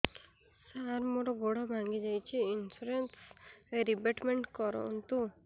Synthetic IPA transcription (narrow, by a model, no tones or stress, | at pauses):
saɾmoʈɔɡoɽabʱaŋɡid͡ʒajt͡ʃʰiinsuɾenseɾibeʈmeɳʈkɔɾɔ̰nt̪u